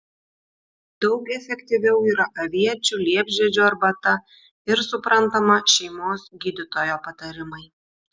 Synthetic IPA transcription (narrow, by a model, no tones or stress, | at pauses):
d̪ɒʊkɛfʲɛkʲt̪ʲɪʋʲɛʊiːɾɐʔɐʋʲiɛt͡ʃʲʊlʲiɛbʲʒʲɛd͡ʒʲuɐɾbɐt̪ɐ | ɪɾsʊpɾɐnt̪ɐmɐʃʲɛɪmoːsɡʲid̪ʲɪt̪oːjoːpɐt̪ɐɾʲɪmɐɪ